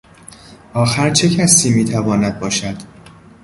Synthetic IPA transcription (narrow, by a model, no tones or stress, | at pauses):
ʔɒːxæɾt͡ʃʰe̞cʰæsiːmiːt̪ʰævɒːnæd̪̚bɒːʃæd̪̥